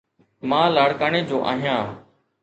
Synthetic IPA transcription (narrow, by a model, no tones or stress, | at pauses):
mãːlaːɽkaːɳ̃eːd͡ʑoːʔa̰ːɦijãː